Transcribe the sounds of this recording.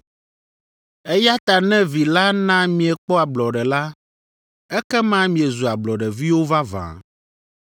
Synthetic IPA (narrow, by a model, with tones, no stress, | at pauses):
ɛ˦ja˦t̪a˨nɛ̃˦vi˨la˦nã˦mĩ˨ɛ˨k͡pɔ˦a˨blɔ˨ɖɛ˨la˦ | ɛ˦kɛ˦mã˦mĩ˨ɛ˨zu˨a˨blɔ˨ɖɛ˨vi˦wo˦va˦vã̰˨